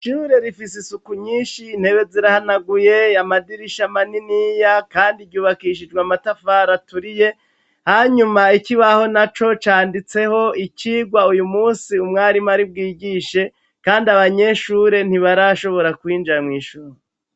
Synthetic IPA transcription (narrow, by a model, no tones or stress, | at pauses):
ʃuɾe̞ɾifisisukuɲiːʃiːn̥he̞βe̞ziɾahanaɡuje̞amadiɾiʃamaninijakaːndiɾɟuːβakiʃ̬id͡ʒɡwamatafaɾatuɾije̞ | haɲumaikiβaho̞nat͡ʃo̞t͡ʃaːndit͡se̞ho̞iciːɡwaujumuːsiumŋaːɾimaɾib̚ɡiːɡiːʃe̞ | kaːndiaβaɲe̞ʃuɾe̞n̥iβaɾaʃo̞βo̞ɾakwiːnd͡ʒamŋiːʃuɾo